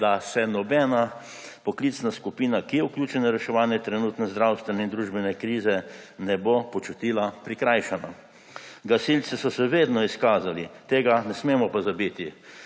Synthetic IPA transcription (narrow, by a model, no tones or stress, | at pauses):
d̪asɛnɔbɛna | pɔkliːt̪snaskupiːnakijɛuklʲjuːt͡ʃɛnaɾɛʃɛʋaːnjɛt̪ɾɛnuːt̪nɛzd̪ɾawst̪ʋɛnɛind̪ɾuːʒbɛnɛkɾiːzɛnɛbopɔt͡ʃut̪iːlapɾikɾajʃana | ɡasilt̪sɛsɔsɛʋeːd̪nɔiskaːzalit̪eːɡanɛsmeːmɔpazabit̪i